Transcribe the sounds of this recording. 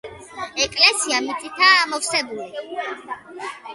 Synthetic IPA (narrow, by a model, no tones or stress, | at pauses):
ɛkʼlɛsiamit̪sʼit̪ʰamɔvsɛbuli